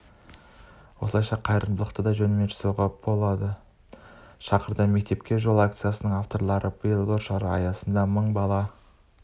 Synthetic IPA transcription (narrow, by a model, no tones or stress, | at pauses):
wo̞səlˠɑjʃɑqʰɑjɾənd̪əlˠəqt̪əd̪ɑʒɵnmenʃʰʏ̥suʁɑpbo̞lˠɑd̪ə | ʃɑqəɾd̪ɑme̞k̚t̪e̞p̚kʲe̞ʒo̞lˠak̚t̪sɨjasənəɴaft̪o̞ɾlˠɑɾəb̥əjəlˠboɾʃɑɾəɑ̰jɑsənd̪ɑməɴbɑlˠɑ